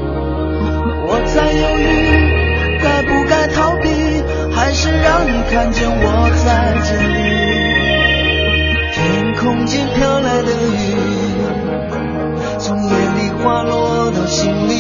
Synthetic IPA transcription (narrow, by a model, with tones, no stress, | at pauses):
wɔ˨˩t͡sa˥˧ɪjo˧˩ʊli˧˩ | ka˥˧ɪpu˧ka˥˧ɪt̪ʰɑ˧˥ʊpi˧˥ | xa˧˥ɪʂɻ̩˥˧ɻɑ˥ŋni˨˩kʰa˥˧nt͡ɕjɛ˥˧nwɔ˨˩t͡sa˥˧ɪʈ͡ʂ̩˥˧˩li˧ | t̪ʰɛ˩˧˩nkʰʊ˥ŋt͡ɕi˥nt̪ʰjɑ˥ʊla˧˥ɪd̪ə˧y˧˩ | t͡sʊ˧˥ŋjɛ˨˧˥nli˧˩xwa˥˧lwɔ˥˧d̪ə˨˩ɕi˥ŋli˧